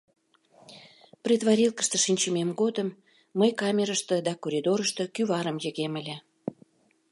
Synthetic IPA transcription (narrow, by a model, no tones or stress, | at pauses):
prʲid̪βɑɾʲilkə̥ʃt̪ə̆ʃinʲt͡ɕəmemɡod̪əmː | əjkɑmʲeɾəʃt̪ə̆d̪ɑkoɾʲid̪oɾəʃt̪ə̆kyβɑɾəmjə̆ɣeməlʲe